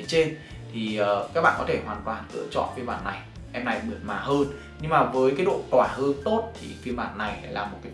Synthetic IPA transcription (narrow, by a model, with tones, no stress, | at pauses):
t͡ɕe˧n | t̪ʰi˨˩əː˨˩kaː˦˥k̚ɓa̰ː˧˨kɔ˨˦t̪ʰe˧˩hwaː˨˩nt̪waː˨˩nkɨ̰˧˥ət͡ɕɔ̰˧˨kəː˨˦jɓa̰ː˧˨nːa˨˩j | ʔɛ˧mna˨˩jmɨ˨˩ənmaː˨˩həː˧n | ɲɨ˧ŋmaː˨˩vəː˨˦jkaː˨˦ɗo̰˧˨t̪waː˧˩həː˧nt̪o˦˥t̚t̪ʰḭ˨˩kmɓa̰ː˧˩nːa˨˩jlaː˨˩mo˨˩ka˨˦